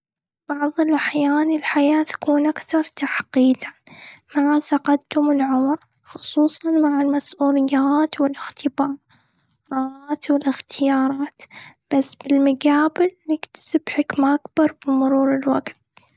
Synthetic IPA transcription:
b̥ɑʕðˤɪlʔaħjaːnɪlħajaːt̪ḁkuːnʔakt̪ɑɾˤt̪aħqiːd̪amaʕsɑqad̪t̪ʊmɪlʕʊmɾ | xʊ̥sˤuːsˤɑnmaʕɪlmasʔuːlɪjːaːt̪wɪlɪxt̪ʰɪbɑːɾˤ | ɾˤɑt̪wɪlɪxt̪ʰɪjɑːɾˤɑːt̪b̥asːb̥ɪlmaɡaːbɪlːɪkt̪ḁsɪbħɪkmaʔakbɑɾˤbɪmʊɾuːɾɪlwaɡt̪

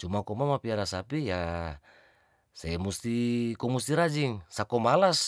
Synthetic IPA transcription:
t͡ʃumakɔmamapiaɾasapija | semust̪ikɔmust̪iɾad͡ʒiŋsakɔmalas

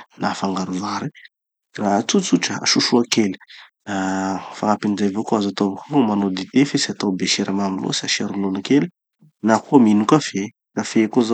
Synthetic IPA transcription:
nafaŋɡaɾuvaɾi | rat͡sut͡suʈ͡ʂəa̰ʃuʃuakeli̥ | afaŋapinid͡zajvokoazat̪ovakomanod̪it̪efesiat̪obeʃeɾəmamilo̰sa̰ʃeɾunonakeli | nakominukafe | kafekoza

